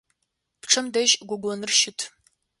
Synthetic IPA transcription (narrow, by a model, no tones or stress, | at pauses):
pʈ͡ʂʰɐmdɐʒɡʷʊɡʷɔnɨrʃɪtʰ